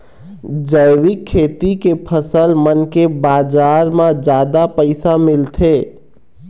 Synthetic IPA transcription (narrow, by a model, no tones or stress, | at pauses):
d͡ʒəɪwɪkʰːeːt̪ikepʰəsəlmənkebaːd͡ʒaːɾmãd͡ʒaːd̪apəɪsamɪlt̪ʰeː